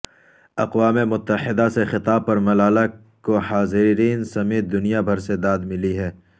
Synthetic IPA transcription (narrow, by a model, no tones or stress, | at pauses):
ɐqwaːmemʊt̪ːəhɪd̪asexɪt̪aːb̚pɐɾmɐlaːla | kohaːzɪɾiːnsɐmeːt̪̚d̪ʊnijabʱɐɾsed̪aːd̪mɪliɦɛː